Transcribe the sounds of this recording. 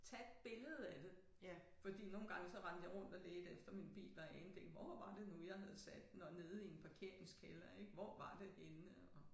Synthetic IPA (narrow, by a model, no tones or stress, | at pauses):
t͡sʰæed̥̚b̥e̝ləð̞̩ˠæd̥e̝ | fɒ̽d̥ḭːno̝ːn̩ɡ̥ɑ̈ŋəsɒ̽ʁɑ̈n̰d̥jɑ̈ɪʁɔ̽n̰d̥ɒleːd̥efd̥ɐminb̥ḭːlɒænd̥eŋ̥ʋɒʋɑ̈d̥e̝nujɑ̈ɪɦæð̞̩ˠsæd̥nɒne̝ːð̞ˠie̝npʰɑ̈kʰe̝ɐ̰e̝ŋskʰelɐeɡ̥ʋɒ̰ʋɑ̈d̥e̝henə | ɒ̽